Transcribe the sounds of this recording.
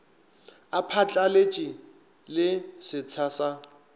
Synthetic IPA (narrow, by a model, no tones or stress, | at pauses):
apʰat͡ɬʼalet͡ʃʼi | lɪsɪt͡sʰasa